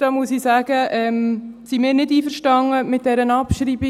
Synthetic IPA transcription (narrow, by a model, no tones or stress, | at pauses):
d̥ɑmuəsisæːɡ̥əʔɛmsimɪːɾnɪdiːfəɾʃtɑŋəmɪt̚d̥ɛɾənɑpʃɾiːbi